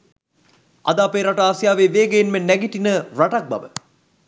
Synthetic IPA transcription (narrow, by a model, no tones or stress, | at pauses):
a̰d̪aːpeɾaʈəaːsjaːʋeːʋeːɡejinmenɛɡiʈinəraʈak̚bɐ̰ʋə